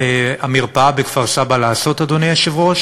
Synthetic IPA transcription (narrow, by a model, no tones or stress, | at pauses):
amiʁpabekvaʁsabalaːso̞t̪ad̪onejaʃevʁoʃ